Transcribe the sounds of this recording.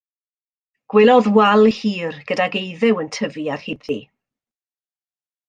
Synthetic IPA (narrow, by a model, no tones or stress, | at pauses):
ɡ̥wɛlˠɔðwɛlˠhiːrɡ̥ədaɡejðɪwəntʰəviarhɪdði